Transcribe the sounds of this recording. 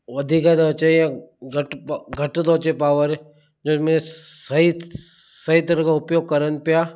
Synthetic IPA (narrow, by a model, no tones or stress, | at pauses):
ʋɐd̪ʱiːkad̪ot͡ʃeãɡʱəʈpɡʱɐʈd̪oːt͡ʃepaːʋəɾ | d͡ʒoːmesəɦisɐɦit̪ɐɾkaʊpjoːɡ̚kɐɾənpɪjaː